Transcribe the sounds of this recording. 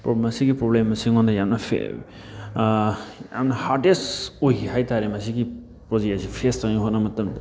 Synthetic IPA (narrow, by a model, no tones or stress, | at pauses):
pɾomɐsiɡipɾoblemːɐsiŋɔndajamnɐpʰḛ | ja̰mnɐhaɾdesojiɦajtaɾemɐsiɡi | pɾozeasipʰestaŋiɦotnamɐtɐmd